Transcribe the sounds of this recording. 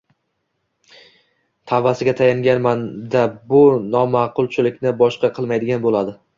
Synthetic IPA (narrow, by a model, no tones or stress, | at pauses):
t̪ʰavːasɪɡʲat̪ʰajaŋɡʲanmand̪abʊnɒmɑqʰʊlˠt͡ʃʰɪlɪkʲnɪbɒʃqɑqʰɨlˠmajd̪ɪɡʲanbolad̪ɪ